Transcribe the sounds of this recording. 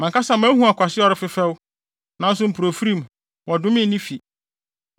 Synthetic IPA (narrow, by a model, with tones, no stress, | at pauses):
mã˨ŋkʰa˦sa˦˨mã˦ɦũ˦a˨kʷʰa˨sɪ˦ɔ˦ɾɪ˦fɪ˦fɛ˦wʊ˦ | nã˦n̩˦s̬ʊ˦m̩˨pʰu˨ɾo˨fu˦ɾĩ˦˨m˨ | wɔ˨dʊ̃˦mɪ̃˦nĩ˦fi˨